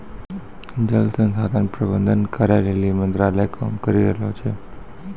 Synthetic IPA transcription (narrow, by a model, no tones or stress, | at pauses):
d͡ʒəlsənsad̪ãkpɾəbənd̪ənkəɾaɾelimənt̪ɾaləjkʰamkəɾiɾəɦlot͡ʃʰe